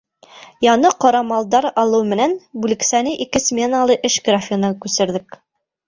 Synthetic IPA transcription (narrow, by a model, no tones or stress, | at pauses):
jɑnɤqɒɾɑmɑlˠd̪ɑɾɑlˠɤwmɘ̆nænbulɘ̆ksænɘʔikɘsmʲe̞nalˠɤʔɘʃɡrafʲinɤkʉsɘ̆ɾðɘk